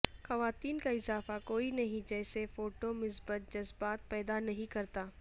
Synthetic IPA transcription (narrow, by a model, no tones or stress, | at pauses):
xɐʋaːt̪iːnkaɪzaːfakoːinɐɦĩd͡ʒɛːsefoːʈomɪsbət̪̚d͡ʒɐzbaːt̪̚pɛːd̪anɐɦĩkɐɾt̪aː